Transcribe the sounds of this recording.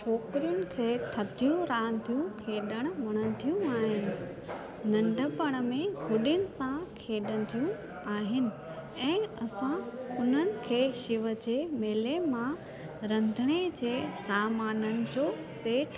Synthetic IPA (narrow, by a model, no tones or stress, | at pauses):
t͡ɕʰoːkɪɾijʊnɪ̆kʰeːt̪ʰɐt̪ʰijũɾaːə̃nt̪ʰijũkʰeːɗəɽ̃̆ʋɐɽ̃ə̃nt̪ʰijũaːɦɪnɪ̆ | nɐ̃ɳɖʱəpɐɽ̃ə̆mẽɡʊɗɪnɪ̆sãkʰeːɗə̃nt̪ʰijũ | aːɦɪnɪ̆ | ɛ̃ːɐsãʊn̤ənɪ̆kʰeːʃɪʋəd͡ʑeːmeːlemã | ɾɐ̃nd̪ʱəɽ̃ed͡ʑeːsaːmaːnənɪ̆d͡ʑoː | seːʈ